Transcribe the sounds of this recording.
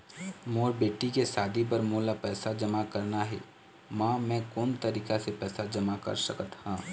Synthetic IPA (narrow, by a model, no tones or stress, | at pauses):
moːɾbeːʈikesaːd̪ip̬əɾmoːlapɛːsad͡ʒəmakəɾnaɦɛ̰ː | mãːmɛ̃ːkoːnt̪əɾiːkasepɛːsad͡ʒɐmakɐ̰ɾsə̰kət̪hãː